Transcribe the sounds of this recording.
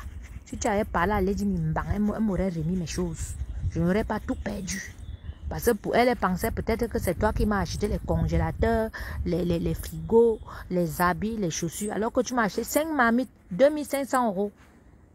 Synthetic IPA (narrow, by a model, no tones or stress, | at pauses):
titiavɛpalaledimim̩baŋɛɛmoɾɛɾemimɛʃozʒənoɾɛpatupɛdypaskəpɛlɛpãŋsɛpətɛtɾəkəsɛtwakimaʃetelɛkɔ̃ŋʒelatɛːlɛlɛlɛfɾiɡolɛzabilɛʃosyalɔkətumaʃesɛ̃ŋkmamit̚ | dømilsɛ̃ŋksãoɣo